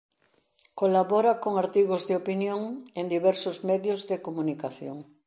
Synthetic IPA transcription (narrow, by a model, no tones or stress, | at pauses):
kolaβɔɾakoŋaɾt̪iɣozðeopinjoŋend̪iβɛɾsʊzmɛðjozðekomũnikaθjoŋ